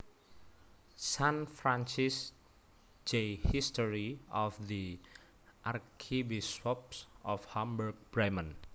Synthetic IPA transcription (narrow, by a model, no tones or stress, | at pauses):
sãnfɾãnt͡ʃis | d͡ʒehistɔɹiɔfði | ʔarkʰibiswɔpsɔfhãmbərɡ̚b̥ɾamə̃n